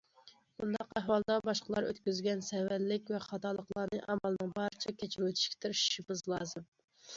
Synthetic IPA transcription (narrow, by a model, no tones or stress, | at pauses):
bund̪ɑqɛɦwɑlˠd̪ɑbɑʃqəlˠɑɾø̰t̪kʲyzɡʲɛnsɛwællɪkʲvɛχɑt̪ʰɑːlˠəqlˠɑːnɨʔɑmɑlˠɨnɨŋbɑɾɨt͡ʃʰɑkʲʰet͡ʃʰɾwøt̪ʰi̥ʃkʲi̥t̪ʰɪɾʃʃimɪzlˠɑːzɨm